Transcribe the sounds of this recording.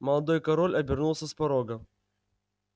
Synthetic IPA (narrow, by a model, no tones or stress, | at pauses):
mɐlˠɐd̪o̞jkɐɾolʲɐbʲɪrnulˠsʲəspɐɾoɡə